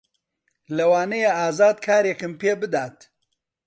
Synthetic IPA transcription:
lɐwaːnɐjeaːzaːd̪̚kʰaːɾekɨmpeːbɨd̪aːt̪

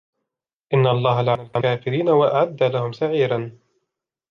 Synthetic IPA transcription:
ʔɪnːaʔɑlˤːɑːɦalaʕnalkaʕaːfɪɾiːnawaʔaʕad̪ːalahʊmsaʕiːɾan

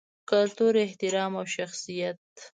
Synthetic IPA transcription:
kʊlt̪uɾɪht̪ɪɾɑmawʃaxsijat̪̚

